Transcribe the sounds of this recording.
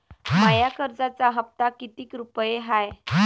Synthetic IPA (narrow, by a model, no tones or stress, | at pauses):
majakəɾd͡zat͡saɦəp̚t̪akit̪iːkɾupəjeɦaj